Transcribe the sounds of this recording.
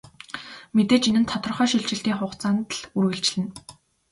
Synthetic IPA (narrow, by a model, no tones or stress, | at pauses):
met̪eːt͡ɕinɘ̆nt̪ʰɔt̪̆r̆χœːʃiɮt͡ɕɪ̆ɬt̪iːŋχʊχt͡saːnt̪ɮurɣɘ̆ɬt͡ɕɮɘ̆n